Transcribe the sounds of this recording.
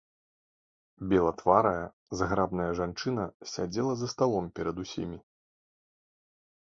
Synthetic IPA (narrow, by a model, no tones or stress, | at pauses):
bʲɛlˠɐt̪vaɾɐjɐ | zɣɾabnɐjɐʐant͡ʂɨnɐsʲa̰d͡zʲɛlˠɐzɐst̪alˠɔmpʲɛɾɐd̪usʲḭmʲi